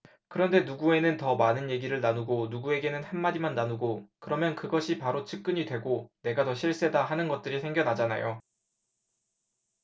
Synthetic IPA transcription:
kɯɾʌnde̞nuɡue̞nɯntʌmanɯnje̞ɡiɾɯɭnanuɡonuɡue̞ɡe̞nɯnhanmːaɾimanːanuɡokɯɾʌmjʌnkɯɡʌɕʰipaɾot͡ɕʰɯk̚k͈ɯɲidwe̞ɡone̞ɡatʌɕʰiɭs͈e̞daɦanɯnɡʌt̚t͈ɯɾisʰe̞ŋɡjʌnad͡ʑana̰jo

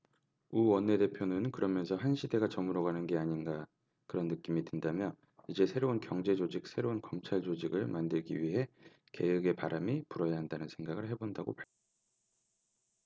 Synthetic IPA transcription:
uwʌnːe̞de̞pʰjonɯnkɯɾʌmjʌnsʰʌɦanɕʰide̞ɡat͡ɕʌmɯɾoɡanɯnɡe̞aɲinɡa | kɯɾʌnːɯk͈imidwendamjʌ | id͡ʑe̞sʰe̞ɾounkjʌŋd͡ʑe̞d͡ʑod͡ʑik̚sʰe̞ɾounkʌmt͡ɕʰaɭd͡ʑod͡ʑiɡɯɭmandɯɭɡḭɥiɦe̞ | ke̞̰jɯɡe̞paɾamipuɾʌjaɦandanɯnsʰe̞ŋɡaɡɯɭɦe̞bondaɡo̰paɭkʰ

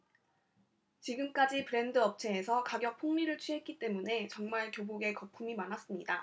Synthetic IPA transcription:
t͡ɕiɡɯmk͈ad͡ʑipɯɾe̞ndɯʌp̚t͡ɕʰe̞ːsʰʌkaɡjʌk̚pʰoŋɲiɾɯɭt͡ɕʰɥiɦe̞t̚k͈it͈e̞mune̞t͡ɕʌŋmaɭkjoboɡe̞kʌpʰumimanas͈ɯmɲida

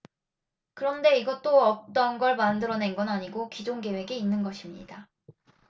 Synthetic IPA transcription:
kɯɾʌnde̞iɡʌt͈oʌp̚t͈ʌnɡʌɭmandɯɾʌne̞nɡʌnaɲiɡokid͡ʑoŋɡe̞we̞ɡiinːɯnɡʌɕʰimɲḭd̥a

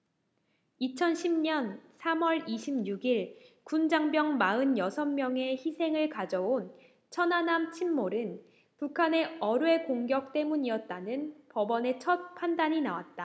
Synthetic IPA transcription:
it͡ɕʰʌnɕʰimɲʌnsʰamwʌɾiɕʰimɲuɡiɭkund͡ʑaŋbjʌŋmaɯnjʌsʰʌmːjʌŋe̞çisʰe̞ŋɯɭkad͡ʑʌon | t͡ɕʰʌnɦanamt͡ɕʰimːoɾɯn | pukʰane̞ʌɾɯe̞koŋɡjʌk̚t͈e̞muɲiʌt̚t͈anɯnpʌbʌne̞t͡ɕʰʌt̚pʰandaɲinawa̰t̚t͈a

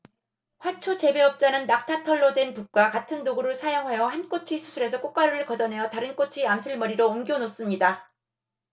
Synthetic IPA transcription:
ɸwat͡ɕʰot͡ɕe̞be̞ʌp̚t͡ɕ͈anɯnːak̚tʰatʰʌɭːodwe̞npuk̚k͈wakatʰɯndoɡuɾɯɭsʰajʌŋɦajʌhank͈ot͡ɕʰisʰu̥sʰuɾe̞sʰʌk͈ok͈aɾuɾɯɭkʌd͡ʑʌnɦe̞jʌtaɾɯnk͈ot͡ɕʰiamsʰuɭmʌɾiɾoːmɡjonos͈ɯmɲida

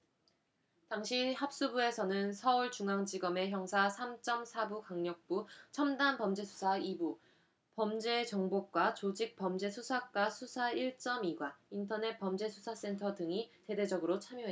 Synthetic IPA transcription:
taŋɕʰihap̚s͈ubue̞sʰʌnɯnsʰʌuɭt͡ɕuŋaŋd͡ʑiɡʌme̞çjʌŋsʰasʰamt͡ɕ͈ʌmsʰabukaŋɲʌk̚p͈ut͡ɕʰʌmdanpʌmd͡ʑe̞sʰu̥sʰaibu | pʌmd͡ʑe̞t͡ɕʌŋbok͈wat͡ɕod͡ʑik̚p͈ʌmd͡ʑe̞sʰusʰak͈wasʰusʰaiɭt͡ɕ͈ʌmiɡwaintʰʌne̞t̚p͈ʌmd͡ʑe̞sʰusʰas͈e̞ntʰʌdɯŋite̞de̞d͡ʑʌɡɯɾot͡ɕʰamjoɦe

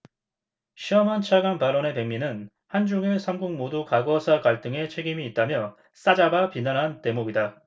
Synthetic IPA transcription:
ɕʰiʌmant͡ɕʰaɡanpaɾone̞pe̞ŋminɯn | hand͡ʑuŋiɭsʰamɡuŋmodukaɡʌsʰakaɭt͈ɯŋe̞t͡ɕʰe̞ɡimiːt̚t͈amjʌ | s͈ad͡ʑabapinanɦante̞moɡida

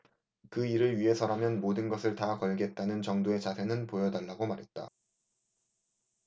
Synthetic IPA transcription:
kɯiɾɯɭɥiɦe̞sʰʌɾamjʌnmodɯnɡʌsʰɯɭtakʌɭɡe̞t̚t͈anɯnt͡ɕʌŋdoe̞t͡ɕasʰe̞nɯnpojʌdaɭːaɡomaɾɦe̞t̚t͈a̰

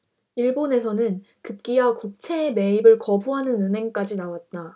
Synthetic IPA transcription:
iɭbone̞sʰʌnɯn | kɯp̚k͈iwakuk̚t͡ɕʰe̞ːme̞ibɯɭkʌbuɦanɯnɯnɦe̞ŋk͈ad͡ʑinawat̚t͈a

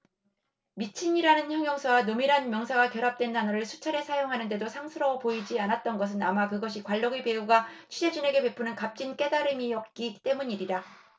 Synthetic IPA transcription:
mit͡ɕʰiɲiɾanɯnçjʌŋjʌŋsʰʌwanomiɾɦanmjʌŋsʰaɡakjʌɾap̚t͈we̞ntanʌɾɯɭsʰut͡ɕʰaɾe̞sʰajoŋɦanɯnde̞dosʰaŋsʰɯɾʌpoid͡ʑianat̚t͈ʌnɡʌs̬ʰɯnamakɯɡʌɕ̬ʰikwaɭːʌɡipe̞uɡat͡ɕʰid͡ʑed͡ʑine̞ɡe̞pe̞pʰɯnɯnkap̚t͡ɕ͈ink͈e̞daɾɯmiʌk̚k͈it͈e̞muɲiɾida

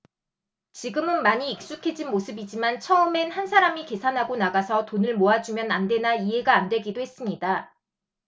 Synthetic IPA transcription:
t͡ɕiɡɯmɯnmaɲiːk̚s͈ukʰe̞d͡ʑinmosʰɯbid͡ʑimant͡ɕʰʌɯme̞nhansʰaɾamike̞sʰanɦaɡonaɡasʰʌtonɯɭmoad͡ʑumjʌnande̞naiɦe̞ɡaːndwe̞ɡidoɦe̞s͈ɯmɲida

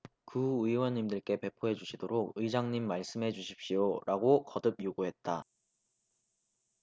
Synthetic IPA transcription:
kuɯiwʌɲːimdɯɭk͈e̞pe̞pʰoɦe̞d͡ʑuɕʰidoɾoɡ̚ɯid͡ʑaŋɲimːaɭs͈ɯmɦe̞d͡ʑuɕʰi̥p̚ɕ͈ijoɾʔaɡokʌdɯb̚joɡuɦe̞t̚t͈a

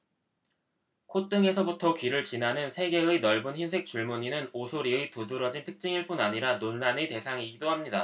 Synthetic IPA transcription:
kʰot͈ɯŋe̞sʰʌbutʰʌkɥiɾɯɭt͡ɕinanɯnsʰe̞ɡe̞ɯnʌɭbunçinsʰe̞k̚t͡ɕ͈uɭmuɲinɯnosʰoɾiɯtodɯɾʌd͡ʑintʰɯk̚t͡ɕ͈iŋiɭp͈unaɲiɾanonːanete̞sʰaŋiɡidohamɲida

